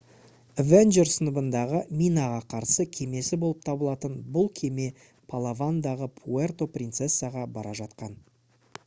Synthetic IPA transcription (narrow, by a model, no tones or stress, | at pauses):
venʒeɾsənəbənd̪ɑʁəmʲijnaʁɑqʰɑɾsəkʲʰe̞me̞sɪbo̞lˠəp̚t̪ʰɑbəlˠɑt̪ənbʊlˠkʲʰe̞me̞ | pʰalˠavand̪ɑʁəpʰuert̪o̞prʲint̪sesːɨaʁɑbɑɾɑʒɑt̪qɑn